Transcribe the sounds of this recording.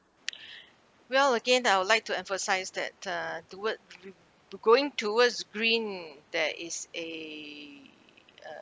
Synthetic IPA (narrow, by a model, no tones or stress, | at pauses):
wɛləɡẽnaɪwʊdlajk̚tuɛ̃ɱfəsaɪsdɛ̰t̚ʌduwə | ɡoɪ̃ŋtʰuwəsɡɹĩndɛʔɪse